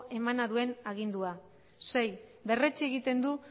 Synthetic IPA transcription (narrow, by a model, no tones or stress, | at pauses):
ʔe̞manaðue̞naɣ̞ind̪ua | se̞jbe̞ret͡sieɣ̞it̪e̞nd̪u